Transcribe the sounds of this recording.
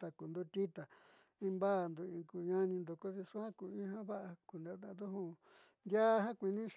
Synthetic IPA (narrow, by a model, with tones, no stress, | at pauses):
t̪a˧ku˨nd̪u˦t̪i˦t̪a˨ | ĩ˧mba˦˨nd̪u˧ĩ˧ku˧˨˧ɲã˦nĩ˧nd̪o˧ko˦ði˧ʂu˦hã˦ku˧˨ĩ˦ɦã˦βa˦ʔa˧ku˨nd̪a˧˦t̪a˧d̪u˦hũ˦˧ | nd̪ja˦˧ɦã˦kʷi˧nĩ˦ʃ